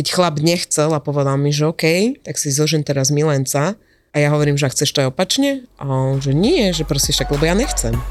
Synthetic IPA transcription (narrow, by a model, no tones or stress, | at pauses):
kɛcxlabɲɛxt͡sɛlapɔʋɛd̪alˠmiʒɛɔkɛjt̪aksizɔʒimt̪ɛɾazmilɛnt͡sa | ajaɦɔʋɔɾiːmʒɛakxt͡sɛʃt̪ɔɛɔpat͡ʃɲɛʔaʒɛɲiɛʒɛpɾɔsiʃaɡlɛbɔjaɲɛxt͡sɛm